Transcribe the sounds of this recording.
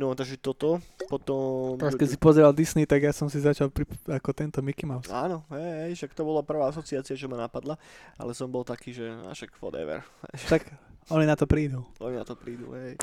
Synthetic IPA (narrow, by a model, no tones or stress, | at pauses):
nɔt̪aɡʒɛt̪ɔt̪ɔpɔt̪ɔmɾaskɛsipɔzɛɾald̪isnit̪aɡjasɔmsizat͡ʃalpɾiakɔt̪ɛnt̪ɔmikimaʊaːnɔɦɛjɦɛjʃakt̪ɔbɔlapr̩ʋaːasɔt͡siaːt͡siat͡ʃɛmanapad̪laa̰lɛsɔmbɔlt̪akiːʒɛa̰ʃakfɔ̰d̪ɛ̰ʋɛ̰ɾɦɛ̰jt̪akɔninat̪ɔpɾiːd̪uɔnina̰t̪ɔpɾiːd̪ṵɦɛj